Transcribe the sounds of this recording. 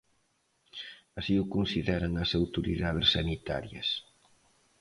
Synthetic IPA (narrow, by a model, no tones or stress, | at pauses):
ɐsiʊkunsiðɛɾɐŋɐsawt̪uɾḭðaðɪsːɐnit̪a̰ɾjɐ̰s